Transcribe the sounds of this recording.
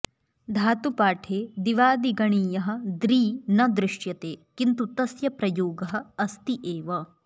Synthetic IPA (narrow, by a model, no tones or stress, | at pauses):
d̪ʱaːt̪upaːʈʰeːd̪iʋaːd̪iɡɐɳiːjɐɦɐ̆d̪ɾiːnɐd̪ɾɪʂjɐt̪eːkint̪ut̪ɐsjɐpɾɐjoːɡɐɦɐ̆ɐst̪iʔeːʋɐ